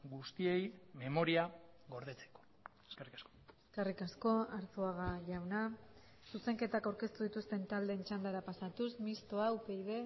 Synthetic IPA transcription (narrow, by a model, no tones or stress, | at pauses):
ɡust̪ie̞jme̞mo̞ɾiaɣo̞ɾðe̞t͡se̥ko̥ | eskerikasko̥eskerikasko̞aɾt͡soaɣaʝawna | suse̞ŋke̞t̪akawɾke̞st̪uð̞it̪ust̪e̞nt̪ald̪eːnt͡ʃand̪aɾapasat̪usmist̪o̞awpe̞jðe̞